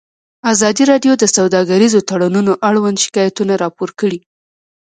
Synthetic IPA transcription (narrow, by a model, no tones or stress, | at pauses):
azɑd̪iɾɑɖjod̪əsawd̪ɑɡaɾizot̪aɽanunoʔaɽwand̪ʃɪ̥kɑjat̪unaɾɑpoɾkəɽi